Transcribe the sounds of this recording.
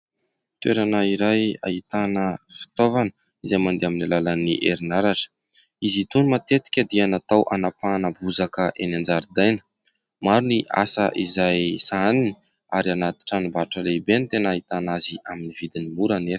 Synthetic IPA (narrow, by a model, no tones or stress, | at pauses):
t̪weɾanəiɾaja̰it̪anəfi̥t̪ovanə | izajmand̪eaminilaləniʔeɾinaɾaʈ͡ʂə̥ | izit̪unimat̪et̪i̥kʲəd̪ianat̪awʔanapanabuzakəʔenand͡zaɾid̪ajnə̥ | maɾuniʔa̰sə̰ʔizajsanini̥ | aɾianat̪i̥ʈ͡ʂanimbaʈ͡ʂəleibenit̪enait̪anaziaminivid̪inimuɾanef